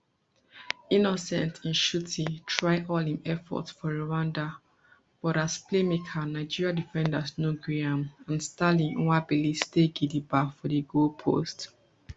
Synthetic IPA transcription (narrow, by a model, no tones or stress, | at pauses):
inɔsɛ̰̃ntʰĩnʃutʰitʰɹaɪʔɔlĩmɛfɔ̰tsfɔɹowãnda | b̥ɔɾasplemekʰanaɪd͡ʒiɹiadifɛ̃ndasnoɡɹiãmãnstalĩnwabilisteɡidibafɔdiɡolpʰo̰st